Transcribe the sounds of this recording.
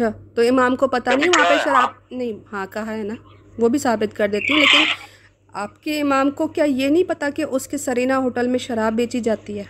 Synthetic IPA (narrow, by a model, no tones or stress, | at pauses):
ɐʃʰaːt̪oɪmaːmkopɐt̪anɐɦĩʋɐɦãpeʃɐɾaːb̚nɐɦĩɦãkɐɦaɦɛːna | ʋobʱisaːbɪt̪kɐɾd̪eːt̪iɦɛ̃leːkɪn | aːpkeɪmaːmkokjaːjenɐɦĩpɐt̪akeʔʊskesɐɾiːnaɦoːʈəlmẽʃɐɾaːbːeːt͡ʃid͡ʒaːt̪iɦɛː